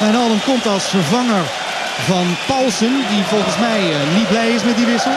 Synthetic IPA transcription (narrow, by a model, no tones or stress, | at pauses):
ɛnɑlˠəmkɔmtɑlˠsfəɹvɑŋəɹ | vɑnpɑlˠsəndivɔlˠχənsmɛjnit̚blɛjɪs̬mɛt̚diʋɪsə